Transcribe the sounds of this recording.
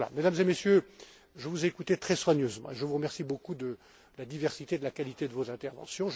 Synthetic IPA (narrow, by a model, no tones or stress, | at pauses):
la̰med̪amzemesjø | ʒəvuzɛːkut̪et̪χɛswaɲøzmɑ̰̃eʒəvuʁəmɛʁsibokud̪ə | lad̪ivɛʁsit̪ed̪əlakalit̪ed̪əvozɛ̃t̪ɛʁvɑ̰̃sjɔ̃ʒ